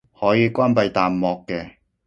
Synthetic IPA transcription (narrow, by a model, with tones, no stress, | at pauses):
hɔː˨˥jiː˨˧kʷaː˥npɐ˨˧jt̪aː˨mmɔː˨kːɛː˧